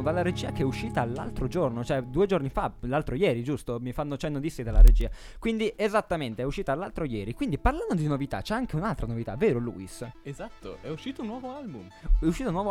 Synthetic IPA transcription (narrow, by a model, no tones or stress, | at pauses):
d̪alːaɾed͡ʒiːakeɛuʃːiːt̪aːlːa̰lt̪ɾod͡ʒornot͡ʃoɛd̪uːed͡ʒornifalalt̪ɾojɛːɾid͡ʒust̪omifanːot͡ʃɛnːot̪isːid̪alːa̰ɾḛd͡ʒiːa | kwind̪iʔezat̪ːament̪eɛuʃːiːt̪alːalt̪ɾojɛːɾikwind̪iparland̪od̪inovit̪a̰t͡ʃɛaŋk̟eunalt̪ɾanovit̪a̰vːeːɾolṵːisezat̪ːo̰ɛuʃiːt̪ounːwɔːvoalbum | ɛuʃːiːt̪ounːɔːv